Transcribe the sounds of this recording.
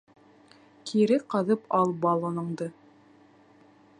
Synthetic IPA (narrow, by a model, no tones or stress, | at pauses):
kʰiɾɘqɑðɤpɑlˠbɑlˠɤ̆nɤ̆ɴd̪ɤ